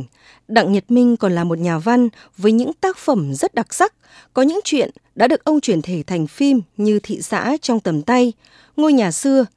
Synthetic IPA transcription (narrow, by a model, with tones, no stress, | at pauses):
ŋ | ɗa̰˧˨ŋɲə˨˩t̚mï˧ŋ̟kɔ˨˩nlaː˨˩mo˨˩t̚ɲaː˨˩va˧n | vəː˨˦jɲɨ̰˧˥ŋt̪aː˦˥k̚fə˧˩mzə˦˥t̚ɗa˨˩k̚sa˦˥k̚ | kɔ˨˦ɲɨ̰˧˥ŋt͡ɕwḭ˧˨ənɗa̰ː˧˥ɗɨ˨˩ək̚ʔə˧wŋ͡mt͡ɕwi˧˩ənt̪ʰe˧˩t̪ʰa˨˩jŋ̟fi˧mɲɨ˧t̪ʰḭ˧˨sa̰ː˧˥t͡ɕɔ˧wŋ͡mt̪ə˨˩mt̪a˧j | ŋo˧jɲaː˨˩sɨ˧ə